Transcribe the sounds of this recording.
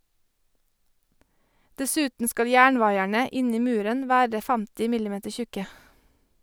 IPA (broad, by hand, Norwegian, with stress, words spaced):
dɛˈsʉːtn̩ ˈskɑl ˈjæːɳˌʋɑɪæɳə ˈɪn ˈiː ˈmʉːɾən ˈʋæːɹə ˈfæmtɪ ˈmɪlɪˌmeːtəɹ ˈçʉkə